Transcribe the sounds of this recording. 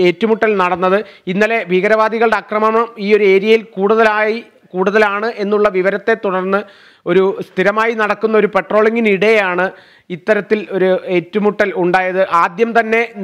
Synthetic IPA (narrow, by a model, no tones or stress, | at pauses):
etːumuʈːɐlnɐɽɐnːɐðɨinːɐle̞bʱiːɣɐɾɐʋaːd̪ʱiɣɐɭɨɽeɐkrɐmɐmɐɐmiːo̞ɾue̞ːɾijɐjilkuːɽuðɐlaːji | kuːɽuðɐlaːɳɨʔe̞nːuɭːɐʋiʋɐɾɐt̪ːet̪ːuɽɐrnːɨ | o̞ɾust̪ʰiɾɐmaːjinɐɽɐkːunːɐo̞ɾupe̞ʈro̞ːɭiŋɡiniɽejaːɳɨ | it̪ːɐɾɐt̪ːilo̞ɾuetːumuʈːɐluɳɖaːjɐðɨʔaːd̪jɐmt̪ɐnːe̞